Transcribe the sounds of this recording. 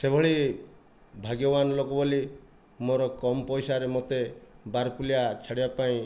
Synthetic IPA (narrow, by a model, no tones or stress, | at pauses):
sebʱɔɭi | bʱaɡjɔbanɔlokɔboli | moɾɔkɔmɔpɔjsaɾemot̪ebaɾkulijat͡ʃʰaɽibapaĩ